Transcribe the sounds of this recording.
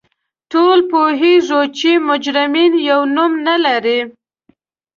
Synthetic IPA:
ʈolpoɦiʐot͡ʃimʊd͡ʒɾɪminjawnumnalaɾi

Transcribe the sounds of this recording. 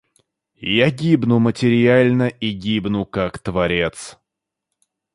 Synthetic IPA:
jaɡʲibnʊmətʲɪɾʲɪalʲnəʔiɡʲibnʊkakt̪vɐɾʲe̞t̪s

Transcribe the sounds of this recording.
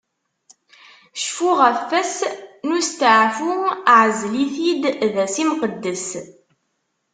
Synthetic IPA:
ʃfuʁæfːæsnʊst̪əʕfuʕzliθid̪ðæsimqəd̪ːəs

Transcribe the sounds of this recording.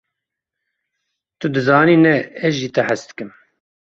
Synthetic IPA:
t̪ɨd̪ɨzɑːniːnɛɛzʒiːt̪ɛħæsd̪ɨ̥kɨm

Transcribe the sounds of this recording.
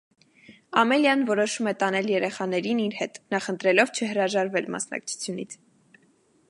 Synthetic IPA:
ɑmɛljɑnvɔɾɔʃumɛt̪ɑnɛljɛɾɛχɑn̪ɛɾiniɾhɛt̪nɑχənt̪ɾɛlɔvt͡ʃʰəɦəɾɑʒɑɾvɛlmɑ̰snɑ̰k̚t͡sʰu̥t͡sʰjunḭt͡sʰ

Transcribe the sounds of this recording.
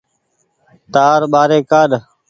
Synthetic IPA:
t̪aːɾɓaːɾeːkaːɗ

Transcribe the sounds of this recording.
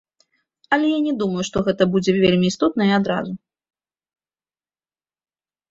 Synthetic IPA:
ɐlʲɛjanʲɛd̪umɐjuʂt̪ɔɣɛt̪ɐbud͡zʲɛvʲelʲmʲiist̪ɔt̪̚nɐiad̪ɾa̰zu

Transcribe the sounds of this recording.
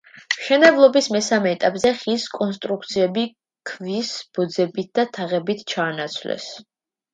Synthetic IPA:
mʃɛnɛblˠɔbismɛsamɛːt̪ʼapʼzɛχiskʼɔnst̪ʼɾuk̚ʰt̪sʰiɛbi | kʰvisb̥ɔd̪zɛbit̪̚d̪̥at̪ʰaʁɛbit̪ʰt͡ʃʰaːnat̪sʰvlɛ̰s

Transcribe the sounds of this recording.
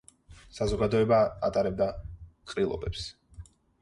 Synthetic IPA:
sazɔɡad̪ɔɛba̰ːt̪ʼaɾɛb̚d̪aqʼɾilˠɔ̰bɛps

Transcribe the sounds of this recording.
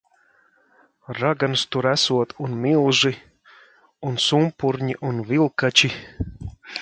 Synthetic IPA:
ɾaɡanst̪uɾæsuɔt̪unmʲilˠʒi | unsumpuɾɲiʔunvilˠkat͡ʃi

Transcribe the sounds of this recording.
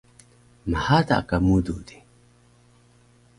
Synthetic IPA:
mahat̪a̰kamud̪ud̪i̥

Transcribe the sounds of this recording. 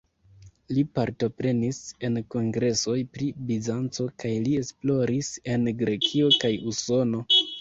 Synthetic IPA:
lipaɾto̞pɾe̞nise̞nko̞ŋɡɾe̞so̞jpɾibizant͡so̞kajlie̞splo̞ɾise̞nɡɾe̞kʰio̞kajuso̞no̞

